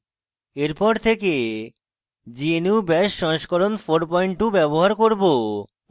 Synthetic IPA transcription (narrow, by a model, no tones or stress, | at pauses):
eɾpɔɾt̪ʰeke | d͡ʑieniwbɛʃːɔŋʃkɔɾonfʰoɾpɔiɳʈubɛboɦaɾkoɾbo